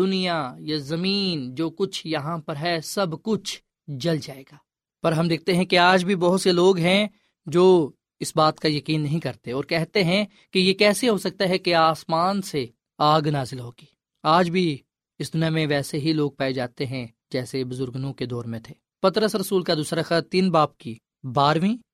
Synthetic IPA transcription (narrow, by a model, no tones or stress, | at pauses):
d̪ʊnijajazɐmiːnd͡ʒoːkʊt͡ʃʰjɐɦãpɐɾɦɛsɐbkʊt͡ʃʰ | d͡ʒɐld͡ʒaːeːɡaː | pɐɾɦɐmd̪eːk̚ʰt̪eɦɛ̃keaːd͡ʒbʱibɐɦʊt̪seloːɡɦɛ̃ | d͡ʒoː | ɪsbaːt̪kajɐkiːnːɐɦĩkɐɾt̪eɔːɾkɛɦt̪eɦɛ̃ | kijekɛːseɦosɐk̚t̪aɦɛkeaːsmaːnse | aːɡnaːzɪlɦoːɡ̥i̥ː | aːd͡ʒbʱi | ɪsd̪ʊnijamẽʋɛːseɦiloːɡ̚paːed͡ʒaːt̪eɦɛ̃ | d͡ʒɛːsebʊzʊɾɡnũked̪ɔːɾmẽt̪ʰeː | pɐt̪ɾəsɾɐsuːlkad̪uːsɾaxət̪iːnbaːp̚ki | baːɾʋĩː